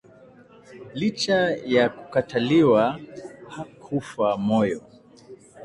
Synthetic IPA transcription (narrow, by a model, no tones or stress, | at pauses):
lit͡ʃajaku̥kataliwahakʰufamɔjɔ